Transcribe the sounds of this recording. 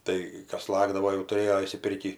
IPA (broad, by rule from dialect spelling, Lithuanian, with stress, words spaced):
ˈtɐɪ ˈkɐs ˈlˠɑːɡdɐʋoː jɛʊ tʊˈrʲeːjoː ɪʃʲsʲɪˈpʲɪrʲkʲiː